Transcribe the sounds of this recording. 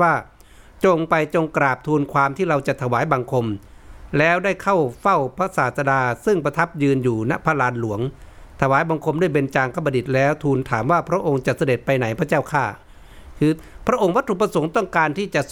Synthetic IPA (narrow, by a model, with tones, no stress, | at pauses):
aː˥˩ | t͡ɕo˧ŋpa˧jt͡ɕo˧ŋkɾaː˨˩p̚t̪ʰuː˧nkʰwaː˧mt̪ʰiː˥˩ɾa˧wt͡ɕa˨˩˨t̪ʰa˧waː˨˦jba˧ŋkʰo˧mlɛː˦˥wda˥˩jkʰa˥˩wfa˥˩wpʰa˧˥saː˨˩t̪̚sa˧daː˧sɯ˥˩ŋpʰa˧t̪ʰa˦˥˩p̚jɯː˧njuː˨˩na˧˥pʰa˧laː˧nlu˨˩˦əŋt̪ʰa˧waː˨˦jba˧ŋkʰo˧mdu˥˩ə˨jbe˧nt͡ɕaː˧ŋkʰa˧˥˩pːba˧di˨˩t̪̚lɛː˦˥wt̪ʰuː˧nt̪ʰaː˩˦mwaː˧˩pʰɾa˦˧˥ʔo˧ŋt͡ɕa˨˩t̪̚sa˧de˨˩t̪̚pa˧jna˩˦jpʰa˧˥t͡ɕaː˥˩˨wkʰaː˧˥˩ | kʰɯː˧pʰɾa˦˥ʔo˧ŋwa˦˥t̪ʰːu˧˩pa˧so˩˦ŋt̪ɔ˥˩ŋkaː˧nt̪ʰiː˥˩t͡ɕa˨ʔ